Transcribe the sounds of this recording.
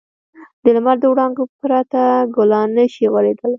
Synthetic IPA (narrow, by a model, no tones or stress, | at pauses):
d̪̥əlmaɾd̪əwɽɑŋɡopɾɑt̪aɡʊlɑnəʃiɣaɾed̪əl